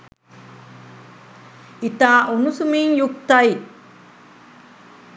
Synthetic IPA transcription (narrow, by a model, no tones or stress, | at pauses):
it̪aːʔunusumiːŋjuk̚t̪ɐj